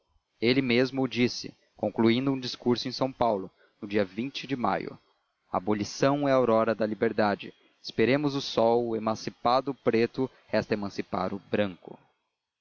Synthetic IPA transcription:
elɪmezmʊːd͡ʒisɪ̰ | kõkluĩnd̪ʊũd͡ʒiskuɾsʊẽj̃sɐ̃w̃pawlʊ | nʊd͡ʒiɐvĩnt͡ʃɪd͡ʒɪma̰jʊ̰ | ɐːbolisɐ̃w̃ɛɐowɾɔɾɐd̪ɐlibeɾd̪ad͡ʒɪ̰ | ɪspeɾẽmʊzʊsɔwemɐ̃sipad̪ʊpɾet̪ʊ | hɛst̪ɐemɐ̃sipa̰ɾʊbɾɐ̃ŋkʊ̰

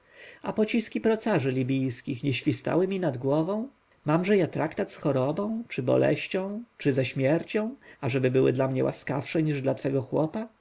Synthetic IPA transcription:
apɔt͡ɕiskʲipɾɔt̪saʐɘlʲibʲijskʲixɲɛɕfʲist̪a̰wɘmʲinad̪ɡwɔvɔ̃w̃ | mamʐɛjat̪ɾakt̪at̪sxɔɾɔbɔ̃w̃t͡ʂɘbɔ̰lɛ̰ɕt͡ɕɔ̃w̃t͡ʂɘzɛɕmʲjɛɾt͡ɕɔ̃w̃aʐɛbɘbɘwɘ̰d̪lamɲɛwʔa̰ska̰fʂɛɲiʐd̪lat̪fɛɡɔxwɔ̰pa

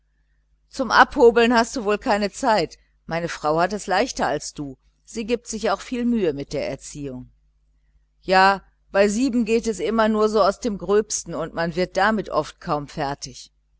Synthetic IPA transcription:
t͡sʊmʔa̰phoːbl̩nhast̚d̥uːvoːlkʰaɪnət͡saɪt | maɪnəfʁ̥aʊhatɛslaɪçtɐalsd̥uː | z̥iːɡɪp̚tz̥ɪçaʊxfiːlmyːəmɪt̚d̥eːɐʔɛ̰ɐt͡siːʊŋ | jaː | b̥aɪziːbm̩ɡeːtɛsʔɪmɐnuːɐzoːaʊsd̥eːmɡʁøːpstn̩ʊntmanvɪɐt̚d̥amɪtʔɔ̰ft̚kʰaʊmfɛɐtɪç

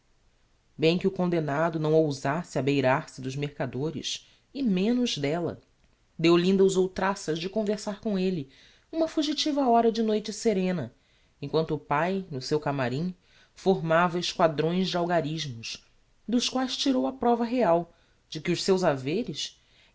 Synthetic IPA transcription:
bẽj̃kɪʊkõnd̪enad̪ʊnɐ̃w̃owzasɪɐbejɾaɾsɪd̪ʊzmeɾkad̪oɾɪ̰s | ɪmẽnʊʒd̪ɛlɐ̰ | d̪ewlĩnd̪ɐuzowt̪ɾasɐzd͡ʒɪkõveɾsaɾkõelɪ | ũmɐfuʒit͡ʃivɐɔɾɐd͡ʒɪnojt͡ʃɪseɾẽnɐ | ẽkwɐ̃nt̪ʊːpajnʊsewkamaɾĩ | foɾmavɐɪʃkwad̪ɾõj̃zd͡ʒɪawɡaɾiʒmʊʃ | d̪ʊʃkwajʃt͡ʃiɾowɐpɾɔvɐɦeaw | d͡ʒɪkɪʊʃsewzaveɾɪs

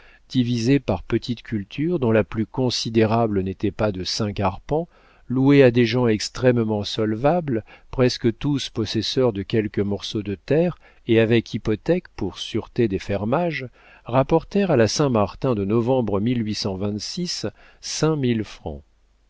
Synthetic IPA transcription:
d̪̥ivizepaʁpət̪ʰit̪kʲʰylt̪ʰyʁd̪ɔ̃laplykɔ̃sid̪eʁablənet̪ɛpad̪əsɛ̃kaʁpɑ̃ | luead̪eʒɑ̃ɛkst̪χɛmmɑ̃sɔlvablpχɛskət̪uspɔsɛsœʁd̪əkʲɛlkəmɔʁsod̪ət̪ɛʁ | eavɛkʰipɔt̪ɛkpuʁsyʁt̪ed̪efɛʁmaʒ | ʁapɔʁt̪ɛʁalasɛ̃maʁt̪ɛ̃d̪ənɔvɑ̃bʁəmilɥisɑ̃vɛ̃t̪sisː | ɛ̃milfχɑ̰̃

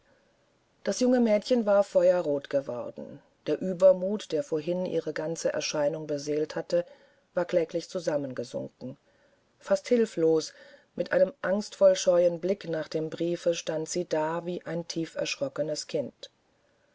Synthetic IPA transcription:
d̥asjʊŋəmɛːtçənvaːɐfɔʏɐʁoːtɡ̥əvɔ̰ɐdn̩ | d̥eːɐʔyːbɐmuːtd̥eːɐfoːɐɦɪnʔḭːʁəɡant͡səʔɛ̰ɐʃaɪnʊŋbəzeːlthatə | vaːɐklɛːklɪçt͡suzamənɡəzʊ̰ŋkŋ̩ | fasthɪlfloːsmɪtʔa̰ɪnəmʔaŋstfɔlʃɔʏənblɪknaːχd̥eːmbʁiːfəʃtantz̥iːdaːviːʔaɪntʰiːfɛ̰ɐʃʁ̥ɔkənəskʰɪnt

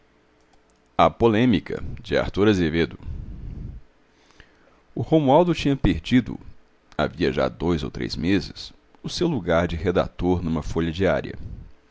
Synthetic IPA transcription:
ɐpolẽmikɐ̰d͡ʒɪa̰ɾt̪uɾɐzeved̪ʊ | ʊhõmuawd̪ʊt͡ʃĩɲɐpeɾd͡ʒid̪ʊ̰ | a̰viɐʒa̰d̪ojzo̰wt̪ɾḛjzmezɪs | ʊsewluɡaɾd͡ʒɪɦed̪a̰t̪oɾnũmɐfoʎɐd͡ʒia̰ɾjɐ̰

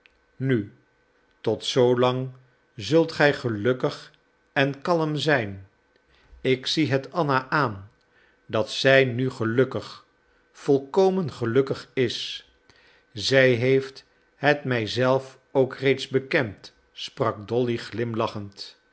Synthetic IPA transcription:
ny | tɔtsowlɑŋ | zɵlˠtχɛjχəlɵkəχ | ɛnkɑləmzɛjn | ɪksiɦətɑnaʔaːn | dɑtsɛjnyχəlɵkəχ | fɔlˠkowmənχəlɵkəχɪs | zɛjɦejft | ɦətmɛjzɛlˠf | owkrejtzbəkɛnt | sprɑk̚dɔliχlɪmlɑχənt

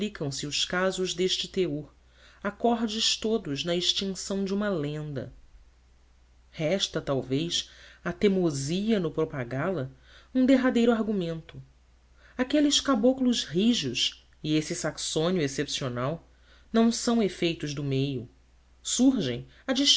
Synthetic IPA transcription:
plikɐ̃w̃sɪʊʃkazʊʒd̪eʃt͡ʃɪt̪eoɾ | akɔɾd͡ʒɪʃt̪od̪ʊʒnɐiʃt͡ʃĩŋsɐ̃w̃d͡ʒɪũmɐlẽnd̪ɐ̰ | hɛʃt̪ɐt̪awvejsɐt̪emoziɐnʊpɾopaɡalɐ | ũd̪eɦad̪ejɾʊaɾɡumẽnt̪ʊ | akelɪʃkaboklʊzɦiʒʊʃ | iesisaksõniʊesepsionaw | nɐ̃w̃sɐ̃w̃efejt̪ʊʒd̪ʊmejʊ | suɾʒẽj̃ | ɐd͡ʒiʃ

